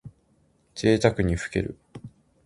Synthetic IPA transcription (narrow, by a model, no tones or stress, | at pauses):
d͡ʑe̞ːt̪akɯ̟ɲ̟iɸɯ̥ke̞̰ɾɯ̟̰